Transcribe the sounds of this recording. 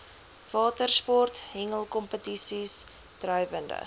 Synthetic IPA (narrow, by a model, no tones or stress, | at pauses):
v̥ɑːtərspɔrtɦɛŋəlˠkɔmpətisis | trœɥvəndə̰